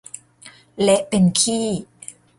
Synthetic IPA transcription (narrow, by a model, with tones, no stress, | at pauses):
lɛ˦˥ʔpe˧nkʰiː˥˩